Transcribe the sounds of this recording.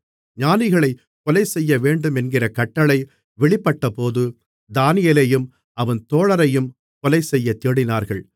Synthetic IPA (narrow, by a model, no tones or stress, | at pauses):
ɲaːnɪɣɐɭɐɪ | kɔlɐɪsɛjːɐʋeːɳɖɯmɛnɡɪrɐkɐʈːɐɭɐɪ | ʋɛɭɪpːɐʈːɐpoːðɯ | d̪aːnɪjeːlejɯm | ɐʋɐnt̪oːɭɐɾɐjɯm | kɔlɐɪsɛjːɐt̪eːɽɪnaːɾɣɐɭ